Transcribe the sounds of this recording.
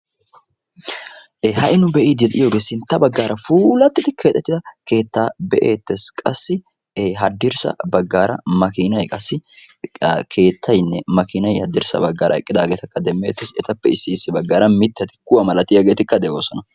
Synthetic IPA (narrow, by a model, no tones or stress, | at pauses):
ʔeːhɐʔɪnʊbɛʔid̪ɛt̪ʼɪjo̞ːɡe̞ːsɪnt̪ːɐbɐɡːaːɾɐfuːlɐt̪ːɪt̪ɪkʰe̞ːt̪ʼːɛt̪ːɪd̪ɐke̞ːt̪ːaːbɛʔḛːt̪ːeskʼɐsːɪː | ɦɐd̪ːɪɾsɐ̰bɐɡːaːɾɐ̰mɐkɪnɐjkʼɐsːɪ | kʰe̞ːt̪ʰːɐjnːɛmɐkɪnɐjhɐd̪ːɪɾsɐ̰bɐɡːaːɾʔɐɛkʼːɪd̪aːɡeːt̪ɐkːɐd̪ɛmːe̞ːt̪ːɪsɛt̪ɐpːɛɪsːɪːsːɪbɐɡːaːɾɐmɪt̪ːɛt̪ɪ̥kʊwɐmɐlɐt̪ɪjaːɡeːt̪ɪkːɐd̪ɛʔo̞ːsɔnɐ